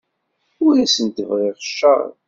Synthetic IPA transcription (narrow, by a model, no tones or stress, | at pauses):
ʊɾæsənt̪əvʁeʁʃːə̰ʁ̰